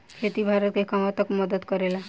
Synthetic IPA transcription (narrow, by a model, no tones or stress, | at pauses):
kʰet̪ibʱaɾɔt̪̚kekamat̪ɔkmɔd̪ɔd̪kɔɾela